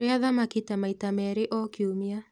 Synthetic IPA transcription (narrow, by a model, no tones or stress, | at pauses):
eaðamakitamaitamɛɾeʔɔkiomia